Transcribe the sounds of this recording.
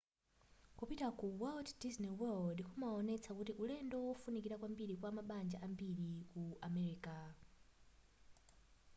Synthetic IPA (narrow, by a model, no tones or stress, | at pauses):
kupitakuwɛlddisnɛwɛldikʰumaɔnɛt͡sʰakutiʔulɛndɔwɔfunikiɾakwambiɾikwamaɓand͡ʒaʔambiɾikuʔamɛɾiːka